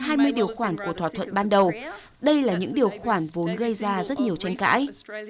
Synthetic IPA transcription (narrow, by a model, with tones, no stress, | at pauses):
haː˧jmɨ˧əjɗi˨˩əwxwaː˧˩nku˧˩ət̪ʰaː˧˩t̪ʰwə̰˧˨nɓaː˧nɗə˨˩w | ɗə˧jlaː˨˩ɲɨ̰˧˥ŋɗi˨˩əwxwaː˧˩nvo˨˦nɣə˧jzaː˧zə˦˥t̚ɲi˨˩əwt͡ɕa˧jŋ̟ka̰ː˧˥j